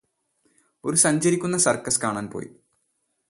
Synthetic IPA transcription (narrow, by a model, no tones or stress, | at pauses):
o̞ɾusɐɲd͡ʑɐɾikʲːunːɐsɐrkːɐskaːɳaːnpo̞̰ːji